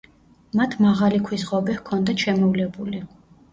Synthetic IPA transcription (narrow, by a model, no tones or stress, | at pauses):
mat̪ʰmaʁalikʰwisʁɔbɛhkʰɔnd̪aʃɛmɔvlɛbuli